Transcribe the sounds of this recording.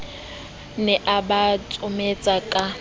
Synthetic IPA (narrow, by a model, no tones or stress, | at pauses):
nɛʔabat͡sʼʊmet͡sʼakʼa